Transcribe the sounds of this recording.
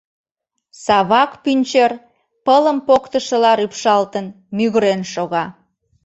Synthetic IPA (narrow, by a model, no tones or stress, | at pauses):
sɑβɑkpynʲt͡ɕer | pələmpokt̪əʃəlɑɾypʃɑlt̪ən | myɣəɾenʃoɣɑ